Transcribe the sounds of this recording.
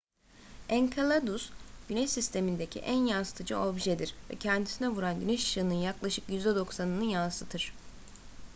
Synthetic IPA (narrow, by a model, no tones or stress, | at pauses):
ɛnkʰalˠad̪usɟ̥ynɛʃsist̪ʰe̞mind̪ecʰḭʔænjansɯ̥t̪ʰɯd͡ʒɯobʒed̪iɾ̥vɛ̰cʰɛnd̪isinɛvuɾanɟynɛʃʃɯːnɯnjaklˠaʃɯkjyzd̪ɛd̪o̞ksanɯnɯjansɯt̪ʰɯɾ̝̥